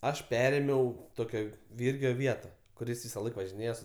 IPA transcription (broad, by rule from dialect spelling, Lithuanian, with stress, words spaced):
ˈɐʃ ˈpʲæːrʲeːmʲɛʊ ˈtoːkʲoː ˈʋʲiːrʲɡʲoː ˈʋʲiɛtɐ kʊˈrʲɪs ʋʲɪsɐˈlˠɐɪk ʋɐʒʲɪˈnʲeːjɛ sʊ